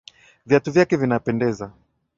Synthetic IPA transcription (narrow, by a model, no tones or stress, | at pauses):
vjatuvjakɛvinapɛndɛza